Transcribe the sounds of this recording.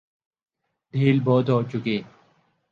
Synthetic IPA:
d̪ʱiːlboːt̪oːt͡ɕukeː

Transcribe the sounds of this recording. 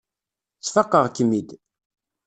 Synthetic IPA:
t͡sːfɑqːəʁkəmːid̪

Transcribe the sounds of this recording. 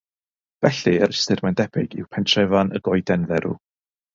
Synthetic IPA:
vɛɬiəɾɪstɨrmandɛb̥ɪɡḭwpʰɛntʰrɛvanʔə̰ɡɔɨdɛnðɛɾṵ

